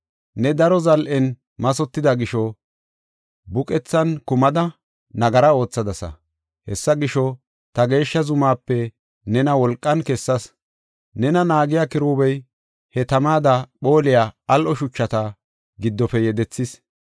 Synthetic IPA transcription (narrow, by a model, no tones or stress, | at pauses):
nɛd̪ɐɾɔzɐlʔɛn | mɐs̬ɔt̪ːɪd̪ɐɡɪʃɔ | bʊkʼɛt͡sːɐnkʊmɐd̪ɐ | nɐɡɐɾɐo̞ːt͡sːɐd̪ɐsɐ̰ | hɛsːɐɡɪʃɔ | t̪ɐɡe̞ːʃːɐzʊmaːpːɛ | nɛnɐwɔlkʼːɐnkɛsːɐs | nɛnɐnaːɡɪjakɪɾuːbɛj | hɛt̪ɐmaːd̪ɐɓo̞ːlɪjaːɐlʔɔʃʊt͡ʃːɐt̪ɐ | ɡɪd̪ːɔfɛjɛd̪ɛt͡sːɪs